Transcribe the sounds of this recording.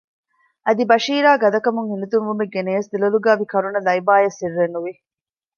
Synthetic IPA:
ʔɐd̪ibɐʃiːɾaːɡɐd̪ɐkɐmuŋhinut̪unʋumeɡeneːsd̪ilɐluɡaːbikɐɾunɐlɐibaːjɐsirːenːuʋi

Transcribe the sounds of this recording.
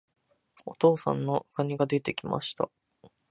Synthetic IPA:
o̞t̪o̞ːsã̰nːo̞ɯkaɲ̟iɡad̪e̞t̪e̞kʲima̰ɕi̥t̪a̰

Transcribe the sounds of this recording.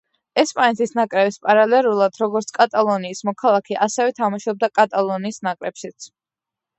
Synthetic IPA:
ɛspʼanɛt̪ʰisnakʼɾɛbispʼaɾalɛɾulˠad̪ɾɔɡɔɾt̪sʰkʼat̪ʼalˠɔniːsmɔkʰalˠakʰɛʔasɛvɛt̪ʰamaʃɔb̚d̪akʼat̪ʼalˠɔniːsnakʼɾɛpʃit̪sʰ

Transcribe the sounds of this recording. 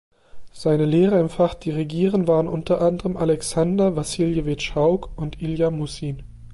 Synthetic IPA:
z̥aɪnəleːʁɐɪmfaχd̥iːʁeɡiːʁənvaːʁənʔʊntɐʔandəʁəmʔalɛksandɐvasiːljəvetʃaʊkʔʊntʔiljamusiːn

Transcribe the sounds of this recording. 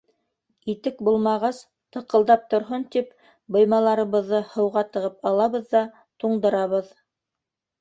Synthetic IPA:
it̪ɘkbulˠmɑʁɑs | t̪ɤ̆qɤ̆lˠd̪ɑp̚t̪ŏɾɦont̪ip | bɤ̆jmɑlˠɑɾɤ̆βɤ̆ðːɤhɤ̆wʁɑt̪ɤ̆ʁɤpɑlˠɑβɤðːɑ | t̪uɴd̪ɤ̆ɾɑβɤð

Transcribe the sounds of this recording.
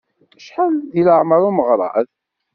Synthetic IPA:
ʃħanðiləʕməɾˤuməʁɾˤɑ̰ð

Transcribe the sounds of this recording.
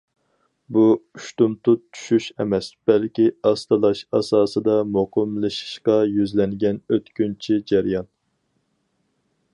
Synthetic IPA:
buyʃt̪umt̪ʰʊt͡ʃːʰy̥ʃyʃɛ̰mɛsb̥ɛlkʲiɑst̪ɨlˠɑʃɑsɑːsɨd̪ɑmoqʰəmlˠɨʃɨ̥ʃqɑjyzlɛŋɡʲɛnøt̪kʲynt͡ʃʰid͡ʒæɾjɑn

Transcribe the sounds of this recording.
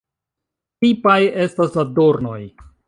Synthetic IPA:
pipaje̞staslado̞ɾno̞̰j

